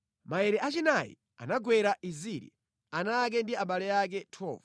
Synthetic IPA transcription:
maɛɾɛʔat͡ʃinajḭ | a̰naɡwɛɾaʔiziɾḭ | anak̬ɛndiaɓalɛjak̬ɛtʰɔ̰ːva

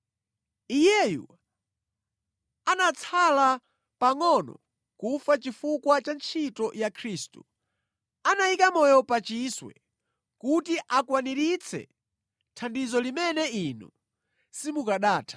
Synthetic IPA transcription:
ijɛjṵ | anat͡sʰala | paŋɔnɔ̰ | kufat͡ʃifukwat͡ʃant͡ʃʰitɔjakʰɾiːstṵ | anaikamɔjɔpat͡ʃiswɛ̰ | kutiʔakwaniɾit͡sʰɛ̰ | tʰandizɔlimɛnɛinṵ | simukaɗaːtʰḁ

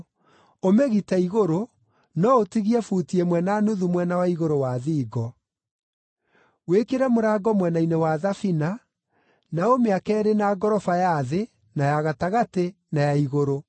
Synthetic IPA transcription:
omeɣitɛiɣoɾo | nɔotiɣiɛfutiemwɛnanuðumwɛnawaiɣoɾowaðiːɡɔ | wekeɾɛmoɾaːɡɔmwɛnainewaðafina | naomeakɛːɾenaɡɔɾɔfajaðe | najaɣataɣate | najaiɣoɾo

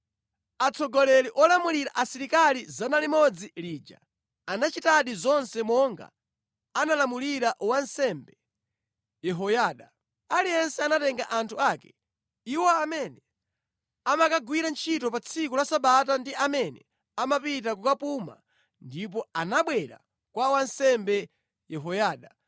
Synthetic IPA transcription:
at͡sʰɔɡɔlɛliʔɔlamuliɾa̰ʔasiɾikalizanalimɔd͡ziliːd͡ʒa̰ | anat͡ʃitaɗizɔnsɛmɔŋɡa̰ | analamuliɾaʔwansɛmbɛ | jɛɦɔjaːɗa | alijɛnsɛanatɛŋɡa̰ʔantʰuakɛ̥ | iwɔamɛnɛ | amakaɡwiɾant͡ʃʰitɔpat͡sʰikulasaɓatandiamɛnɛ̰ | amapit̬akukapuma̰ | ndip̬ɔanaɓwɛɾa̰ | kwawansɛmbɛ | jɛɦɔjaːɗa

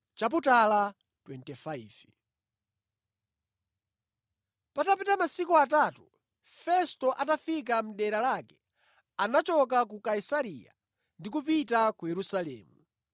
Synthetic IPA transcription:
t͡ʃap̬utala | twɛntɛfaiːv | patapitamasikuatatu | fɛstɔʔatafik̬am̩ɗɛɾalakɛ̥ | anat͡ʃɔk̬ak̬ukaisaɾija̰ | ndikup̬itakujɛɾusalɛ̰ːmu

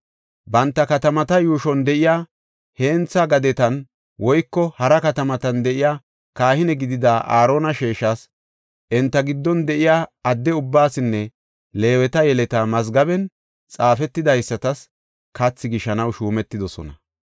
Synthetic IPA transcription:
bɐnt̪ːɐkɐt̪ɐmɐt̪ɐjuːʃɔnd̪ɛʔɪjaː | he̞ːnt͡sːɐɡɐd̪ɛt̪ɐn | wɔjkːɔhɐɾɐkɐt̪ɐmɐt̪ɐnd̪ɛʔɪjaː | kaːhɪnɛɡɪd̪ɪd̪aːʔaːɾo̞ːnɐʃeːʃːɐs | ʔɛnt̪ːɐɡɪd̪ːɔnd̪ɛʔɪjaːɐd̪ːɛʊbːaːsɪnːɛ | le̞ːwɛt̪ɐjɛlɛt̪ɐmɐzɡɐbɛn | t͡sʼaːfɛt̪ːɪd̪ɐjsːɐt̪ɐs | kɐt͡sːɪɡɪʃɐnɐwʃuːmɛt̪ːɪd̪ɔsɔ̰nɐ

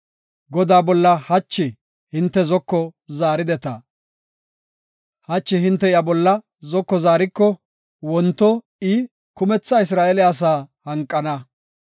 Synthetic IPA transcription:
ɡɔd̪aːbɔlːɐhɐt͡ʃːɪ | hɪnt̪ːɛzɔkːɔzaːɾɪd̪ɛt̪ɐ | hɐt͡ʃːɪhɪnt̪ːɛɪjɐbɔlːɐ | zɔkːɔzaːɾɪkːɔ | wɔnt̪ːɔ | ɪ | kʊmɛt͡sːɐɪs̬ɾaːʔɛlɛɐs̬aːhɐŋkʼːɐnɐ

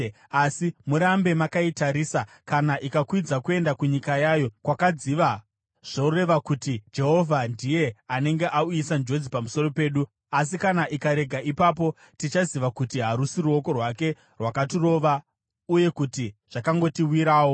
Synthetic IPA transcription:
asimuɾambe̞makaitaɾiːsa | kanaʔikakwid͡zakue̞ndakuɲikajaːjo̞kwakad͡ziʋa | ʐ̥oure̞ʋakutid͡ʒe̞ɦo̞vʱandije̞ane̞ŋɡe̞ʔauisand͡ʒo̞d͡zipamusoro̞pe̞ːɗu | as̬ikanaʔikaɾe̞ɡʱaipapo̞ | tit͡ʃaziʋakutiɦaɾusiruo̞ko̞rwake̞ | rwakatiro̞ːʋa | uje̞kutiʐ̥akaŋɡo̞tiwiɾaːwo

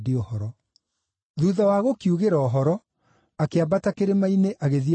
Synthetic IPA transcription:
diɔhɔɾɔ | ðuðawaɣokiuɣeɾaːɦɔɾɔ | akeabatakeɾemaineʔaɣeði

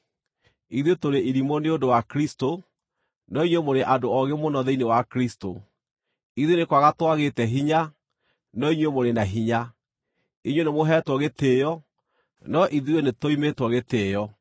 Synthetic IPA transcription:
iðwetoɾeʔiɾimoneodowakɾisto | nɔiɲwemoɾeʔadoɔɣemonɔðɛinewakɾisto̰ | iðonekwaɣatwaɣetɛɦiɲa | nɔiɲwemoɾenaɦiɲa | iɲwenemoɦɛtwɔɣetejɔ | nɔʔiðiwenetoimetwɔɣeteːjɔ

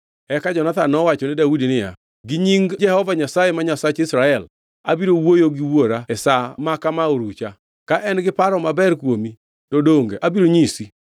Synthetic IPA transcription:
ɛkad͡ʒɔnat̪anɔwat͡ʃɔnɪdaudinɪja̰ | ɡɪɲiŋd͡ʒɛhɔvaɲasajemaɲasat͡ʃɪsɾaɛl | abiɾowojoɡɪwoɾaɛsamakamaoɾut͡ʃa | kaʔɛnɡɪpaɾɔmabɛrkwomi | tɔdoŋɡeʔabiɾoɲisi

